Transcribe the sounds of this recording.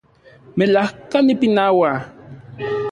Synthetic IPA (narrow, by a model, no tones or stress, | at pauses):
melahkanipinawa